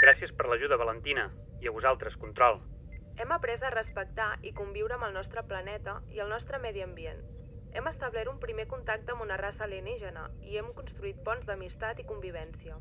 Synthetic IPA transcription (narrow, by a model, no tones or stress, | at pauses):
ɡ̥ɾasiəspəɾləʒuðəβ̞ələnt̪inə | iəβ̞uzalˠt̪ɾəskunt̪ɾɔlˠ | ɛməpɾɛzərəspək̚t̪aʔikumbiwɾəːməlˠnɔst̪ɾəplənɛt̪əiəlˠnɔst̪ɾəmɛðiəmbien | ɛməst̪əβlɛɾumpɾimekunt̪ak̚t̪əmbunərasəleniʒənə̰iɛmkunst̪ɾuit̪̚pɔnzðəmist̪at̪ikumbiβ̞ɛnsiə